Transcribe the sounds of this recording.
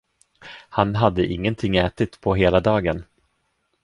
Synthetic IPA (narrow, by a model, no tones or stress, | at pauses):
hanɦad̪ːəʔɪŋːənt̪ʰɪŋːɛːt̪ɪt̪pʰɔɦeːlad̪ɑːɡən